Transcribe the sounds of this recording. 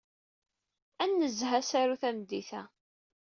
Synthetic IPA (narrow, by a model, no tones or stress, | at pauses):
ænːəzɦæsaɾuθæmd̪ːiθæ